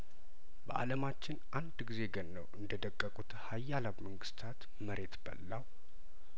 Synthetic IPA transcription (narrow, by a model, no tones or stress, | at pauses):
bəʔa̰ləmat͡ʃːɪnʔand̪ɡize̞ɡənːəwʔɨnd̪əd̪əkʼːəkʼut̪hajːalaβməŋɡɨst̪ʰat̪ | məɾʔe̞t̪bə̰lːaw